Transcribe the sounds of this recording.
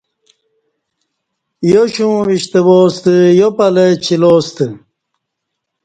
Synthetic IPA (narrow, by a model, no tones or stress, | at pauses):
joɕũːʋiɕt̪əboːst̪əjopɐlet͡ɕʰiloːst̪ə